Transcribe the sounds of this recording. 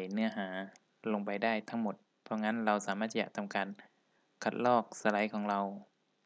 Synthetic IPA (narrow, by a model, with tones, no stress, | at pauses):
jnɯ˧˥ɐɦaː˩˦ | lo˧ŋpa˨jdaː˥˩jt̪ʰa˦˥ŋmo˧˩˦t̪̚ | pʰɔ˧ŋa˦˧˥nɾa˧wsaː˨˦maː˥˩t̪̚ʰja̰˧˩t̪ʰa˧˨mkaː˨n | kʰa˧˩t̪̚lɔː˥˩k̚sa˧la˨˦jkʰɔː˨˦ŋɾa˧w